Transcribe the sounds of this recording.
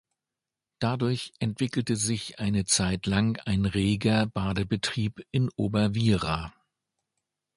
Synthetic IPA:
d̥adʊɐçʔɛntv̥ɪkl̩təzɪçʔaɪnət͡saɪtlaŋaɪnʁeːɡɐb̥aːdəbətʁ̥iːpʔɪnʔoːbɐviːʁa

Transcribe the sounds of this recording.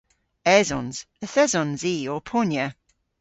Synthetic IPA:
ɛzɔ̃nz̥ | əθɛzɔ̃nziːɔpʰɔnjə

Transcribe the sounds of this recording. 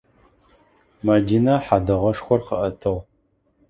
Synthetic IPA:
madiːnaħadɐʁɐʂxʷɔrqəʔɐtʰɐʁ

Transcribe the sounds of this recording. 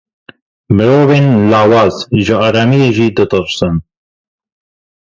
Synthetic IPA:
mɨɾoːveːnlaːwɑːzʒɨɑːɾɑːmijeʒiːd̪ɨt̪ɨɾsɨn

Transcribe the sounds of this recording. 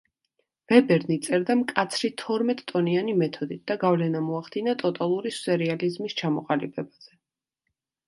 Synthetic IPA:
v̥ɛbɛɾnit̪sʼɛɾd̪amkʼat̪sʰɾit̪ʰɔɾmɛt̪ʼt̪ʼɔnianimɛt̪ʰɔd̪it̪̚ʰd̪̥aɡavlɛnamɔaχd̪inat̪ʼɔt̪ʼalˠuɾisɛɾializmist͡ʃʰamɔqʼalibɛbaz̥ɛ

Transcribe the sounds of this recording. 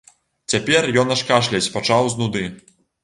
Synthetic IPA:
t͡sʲapʲɛrjɔnɐʂkaʂlʲɐt͡sʲpat͡ʂawznud̪ɨ

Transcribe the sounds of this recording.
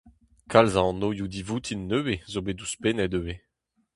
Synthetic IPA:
kʰalzãnojud̪ivut̪ʰinːøwezobeduspenɛdøwe

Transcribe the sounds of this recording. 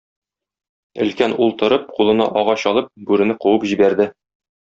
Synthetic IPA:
ɘ̆lkænulˠt̪ɤ̆ɾɤp̚qulˠɤ̆nɑ̰ʔɒʁɑɕɒlˠɤp̚bʉɾɘ̆nɘquwɤpʑibæɾd̪ɘ

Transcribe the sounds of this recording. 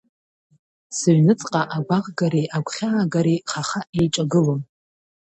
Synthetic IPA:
sɨɥnɨt͡sʼqʼaʔaɡʷaʁɡaɾeʔakʷʰʼχʲaːɡaɾeχaχaʔejʈ͡ʂʼaɡɨlom

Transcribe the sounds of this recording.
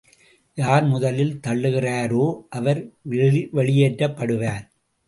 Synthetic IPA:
jaːɾmʊðɐlɪlt̪ɐɭːɯɣɪraːɾoːʔɐʋɐɾ | ʋɛɭɪjeːʈrɐpːɐɽɯʋaːɾ

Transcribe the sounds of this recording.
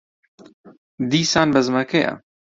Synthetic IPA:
d̪iːsaːnbɐzmaːkʰeːʔa̰

